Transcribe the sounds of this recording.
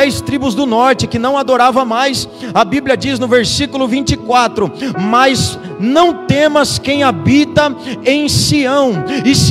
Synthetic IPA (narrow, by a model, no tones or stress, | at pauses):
ɛjst̪ɾibʊzd̪ʊnɔɾt͡ʃɪkɪnɐ̃w̃ad̪oɾavɐmajs | ɐbiblʲjɐd͡ʒiznʊveɾsikʊlʊvĩnt͡ʃɪkwat̪ɾʊmɐz | nɐ̃w̃t̪ẽmɐskẽj̃abit̪ɐẽj̃siɐ̃w̃ɪs